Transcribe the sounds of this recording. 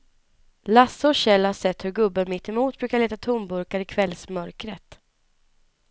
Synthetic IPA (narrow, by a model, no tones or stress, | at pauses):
lasːəɔɕɛlːhaʂɛt̪ːhɵɾɡɵbːənmɪt̪ːɛmuːt̪̚bɾʉ̟ːkaɾɭeːt̪at̪ʰʊmbɵɾkaɾɪkʰvɛlsmœɾkɾət̪